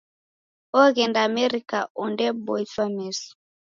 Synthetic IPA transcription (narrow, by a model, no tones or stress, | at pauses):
ɔɣɛndaːmɛɾikaʔɔndɛbɔiswamɛsɔ̥